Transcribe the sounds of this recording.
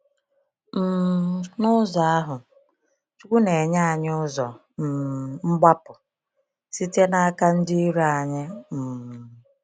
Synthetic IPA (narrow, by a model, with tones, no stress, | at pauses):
m̩˨nʊ˦zɔ˨a˦ɦʊ˨ | t͡ʃu˦kʷu˦ne˨ɲa˦a˨ɲ˦ʊ˦zɔ̰˨ | m̩˨ŋ͡m̩˦ɡ͡ba˦pʊ˨ | si˦te˦na˦a˦ka˦n̩˦di˦i˦ɾu˦a˨ɲɪ˦m̩˨